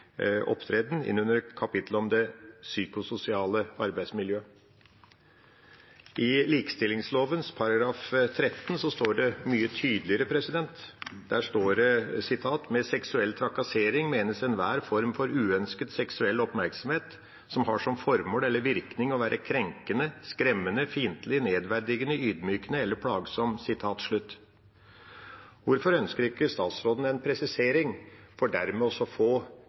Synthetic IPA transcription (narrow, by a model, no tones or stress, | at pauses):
ʔɔ̰pːt̪ʰɾeːd̪n̩ɪ̰nːʉnəɾkʰɑpɪt̪ʰləɔmd̪ɛsyːkʊsʊsɪɑːləɑɾbæɪsmɪljøː | ʔɪliːkə̥st̪ɪlɪŋsloːʋənspʰɑɾɑɡɾɑːft̪ʰɾɛt̪ːn̩sɔst̪oːɖɛmyːət̪ʰyːd̪lɪəɾəpʰɾɛsɪd̪ɛnt̪d̪̥æːʂt̪oːɾɛsɪt̪ʰɑːt̪mɛsɛksʉɛlːt̪ʰɾɑkɑseːɾɪŋmeːnəsɛnʋæːɾfɔɾmfɔɾʉːœnskəd̪sɛksʉɛlːɔpmæɾksɔmheːt̪ | sɔmhɑʂɔmfɔɾmɔːlɛlːəɾʋɪɾknɪŋɔʋæːɾʔəkʰɾɛŋkənəskɾɛmːənəfiːnt̪lɪneːd̪ʋæɖ̪ɪɡənəyːd̪myːkənəɛlːəɾpʰɽɑːɡsɔmsɪt̪ʰɑːt̪ʂɭʉt̪ː | ʋʊɾfɔɾœnskəɾɪkːəst̪ɑːt̪sɾoːd̪n̩ɛnpʰɾɛsɪseːɾɪŋfɔɖæɾmɛɔsɔfoː